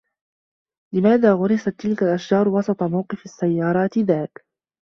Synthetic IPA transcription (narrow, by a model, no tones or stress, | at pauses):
lɪmaːðaːɣʊɾɪsat̪ːɪlkalʔaʃd͡ʒɑːɾˤwɑsˤɑt̪ˤɑmawqɨfasːajːɑːɾˤɑːt̪ɪðaːk